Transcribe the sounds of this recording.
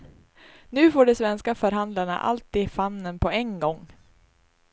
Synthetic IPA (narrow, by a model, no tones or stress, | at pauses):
nʉ̟ːfoːɖɛsvɛnskafœɾɦand̪laɳa̰ʔa̰lt̪iːd̪famːənpʰɔɛŋɡɔŋː